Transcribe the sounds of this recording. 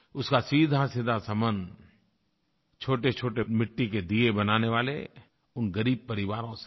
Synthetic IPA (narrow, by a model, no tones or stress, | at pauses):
ʊskasiːd̪ʱasiːd̪ʱasɐ̃mənd̪ | t͡ʃʰoːʈet͡ʃʰoːʈemɪʈːiked̪iebɐnaːneʋaːlḛ | ʊnɡɐɾiːb̚pɐɾɪʋaːɾõse̥